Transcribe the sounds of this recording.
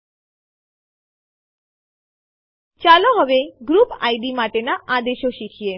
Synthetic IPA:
t͡ɕaloɦɔbeɡɾupa̰jɖimaʈenaʔad̪eʃoʃikʰie

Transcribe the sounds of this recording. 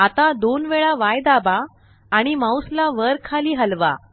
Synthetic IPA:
at̪ad̪onʋeɭaʋajd̪abaː | ɽ̃imawslaʋəɾkʰaliːɦəlʋa̰

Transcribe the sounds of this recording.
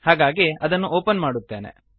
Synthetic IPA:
haːɡaːɡiɐd̪ɐnːuʔoːpɐnmaːɽut̪ːe̞ːnḛ

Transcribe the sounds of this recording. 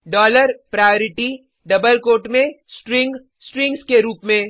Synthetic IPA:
ɖɔːləɾpɾaːjoːɾɪʈi | ɖɐbəlkoːʈmẽsʈɾɪ̃ŋɡ | sʈɾɪ̃ŋɡskeɾuːpmẽ

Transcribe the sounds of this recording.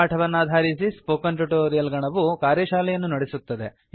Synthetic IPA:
aːɐʈʰɐʋɐnːaːd̪ʱaːɾisispoːkɐnʈɾɐʈoːɾijɐlɡɐɳɐʋukaːɾjɐʃaːlɛjɐnːunɐɽesut̪ːɐd̪e̞̰

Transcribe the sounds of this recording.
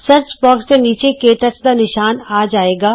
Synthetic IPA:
sɐɾt͡ʃbɔːkst̪ẽniːt͡ʃekeːʈɐt͡ʃd̪aːnɪʃaːnaːd͡ʒaːeːɡaː

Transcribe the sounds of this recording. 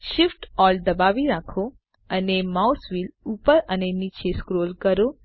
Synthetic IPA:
ʃifʈɔld̪əbaʋiɾakʰo | ənemausʋilupəɾənenit͡ʃʰeskɾolkəɾo

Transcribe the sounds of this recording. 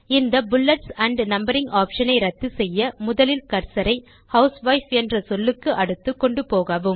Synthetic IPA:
ɪnd̪ɐbʊlːɛʈsɐɳɖnɐmbɐɾɪŋɡaːpʂɐnɐɪɾɐt̪ːɯsɛjːɐmʊðɐlɪlkɐɾsɐɾɐɪ | hɐʊsʋɐɪfɛndrɐsɔlːɯkːɯʔɐɽɯt̪ːɯkːɔɳɖɯpoːɣaːʋɯm

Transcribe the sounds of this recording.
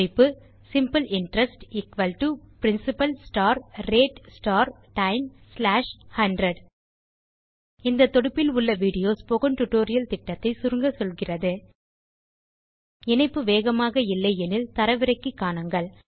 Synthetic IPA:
ɪpːɯ | sɪmpɐlɪɳʈɾɐsʈikʋɐlʈupɪɾɪnsɪpɐlsʈaːɾːeːʈsʈaːɾ | ʈɐɪmslaːʂhɐɳɖɾɐɽ | ɪnd̪ɐt̪ːɔɽɯpːɪlʊɭːɐʋiːɽɪjoːspɔɣɐmʈʊʈːoːɾɪjɐlt̪ɪʈːɐt̪ːɐɪsʊɾɯŋɡɐsɔlɣɪrɐðɯ | ɛnɐɪpːɯʋeːɣɐmaːɣɐɪlːɐɪɛnɪlt̪ɐɾɐʋɪɾɐɪkːɯkːaːɳɐŋɡɐɭ

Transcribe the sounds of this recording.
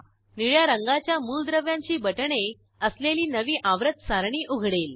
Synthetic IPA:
niɭjaɾəŋɡat͡ɕjamuːld̪ɾəʋjãɲt͡ɕiːbəʈɳe | əsleliːnəʋiːʔaʋɾət̪̚saɾɳiːʔuɡʱɽel

